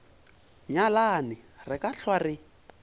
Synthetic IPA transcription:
ɲalanɪrɪkaɬwarɪ

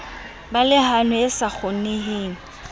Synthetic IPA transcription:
balɪhanʊɪsak͡xʰʊneɦeːŋ̩

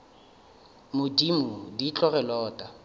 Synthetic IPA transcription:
mʊdimʊdit͡ɬʼɔrɛlɔːtʼa

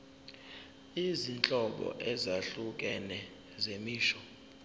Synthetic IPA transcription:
izint͡ɬʼɔɓɔ̰ʔɛzaɬuk̬ʼɛnɛ | zemiːʃɔ̥

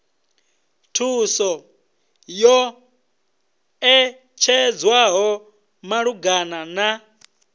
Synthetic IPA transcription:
tʰusɔ | jɔ | ɛ | t͡ʃʰɛd͡zwaɦɔ | maɺuɡanana

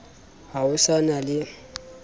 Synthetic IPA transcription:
hawʊsanalɪ

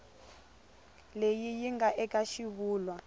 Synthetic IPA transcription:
lejijiŋɡaʔɛkʼaʃiβuːlwa

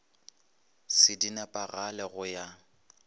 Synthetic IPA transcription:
sɪdinɛpʼaɣalɛɣʊja

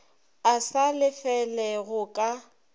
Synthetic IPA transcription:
asalɪfɛlɛɣʊkʼa

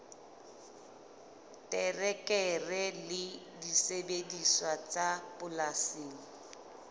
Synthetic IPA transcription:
tʼɛrɛkʼɛrɛlɪ | disebediswat͡sabʊlasiːŋ̩

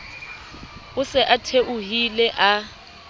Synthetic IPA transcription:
ʊsɛʔatʰeʔʊɦilɛʔa

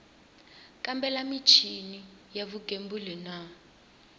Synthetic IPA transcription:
kʼambɛlamit͡ʃʰinijaβuɡʱembulina

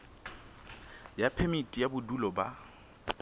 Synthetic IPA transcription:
japʰɛmitʼijabʊdulɔba

